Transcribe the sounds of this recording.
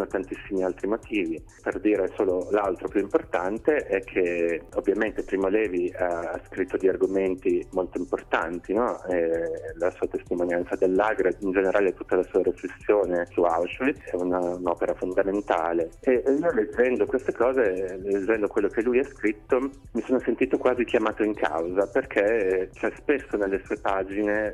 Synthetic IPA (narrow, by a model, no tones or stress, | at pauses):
not̪ant̪isːimialt̪ɾimot̪ʰiːvi | perd̪iːɾesoːlolalt̪ɾopjuimport̪ant̪eʔɛkʰːeovːjament̪epɾiːmolɛːviaaskɾit̪ːod̪iarɡoment̪imolt̪oimport̪ant̪inɔɛlasuːat̪est̪imonjant̪sad̪elːaɡɾeind͡ʒeneɾʔaːlet̪ut̪ːalasuːaɾiflesːjoːnesuawʃiɛunanɔːpeɾafond̪ament̪aːleeioled͡ʒːɛnd̪okwest̪ekɔːzeled͡ʒːɛnd̪okwelːok̟elːujɛskɾit̪ːo | misoːnosent̪iːt̪okwaːzikjamaːt̪oiŋkʰa̰wzaperkʰet͡ʃɛspesːonelːesuːepaːd͡ʒine